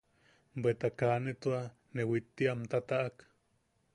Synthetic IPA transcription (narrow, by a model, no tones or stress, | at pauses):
bet̪akaːnet̪ua | newit̪ːiʔamt̪at̪aʔak